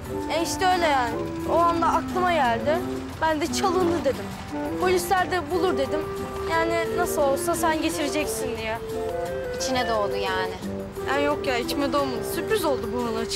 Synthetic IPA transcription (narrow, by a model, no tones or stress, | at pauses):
ɛiʃt̪ɛø̞jlʲejaːn | o̞and̪aaklˠɯmaɟælʲd̪ɪ | bænd̪ɛt͡ʃʰalˠɯnd̪ɯd̪e̞d̪im | pʰo̞lʲislʲæɾd̪ɛbulˠuɾd̪e̞d̪im | jaːnɪnasɯlˠo̞lˠsasænɟe̞t̪ʰiɾed͡ʒɛcsind̪ijɛ | it͡ʃʰinɛd̪olˠd̪ujaːnɪ | hajo̞kjait͡ʃmɛd̪o̞lmad̪ɯsypɾyzo̞lˠd̪ubuɦanˠat͡ʃ